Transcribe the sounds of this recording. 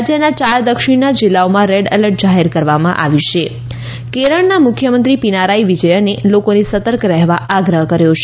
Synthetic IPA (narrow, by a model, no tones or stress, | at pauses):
d͡ʒjənat͡ʃaɾd̪əkʃɪɳnad͡ʒilːaomãɾeɖələɾʈ̚d͡ʒaɦeɾkəɾʋamã̰ʔa̰ʋiʃe | keɾəɳnamʊkʰjəmə̃nt̪ɾipinaɾaiʋid͡ʒəjənelokonesət̪əɾkɾɛɦʋaʔaɡɾəɦkəɾjot͡ʃʰ